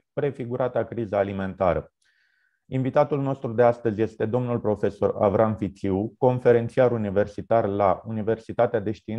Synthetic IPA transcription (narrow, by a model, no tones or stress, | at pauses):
pɾe̞fiɡuɾat̪akɾizaːlime̞nt̪aɾə | invit̪at̪ulno̞st̪ɾud̪east̪əzʲje̞st̪e̞d̪o̞mnulpɾo̞fe̞so̞ra̰vɾanfit̪siuko̞nfe̞ɾe̞nt̪siaɾunive̞rsit̪arlaunive̞rsit̪at̪ead̪e̞ʃt̪in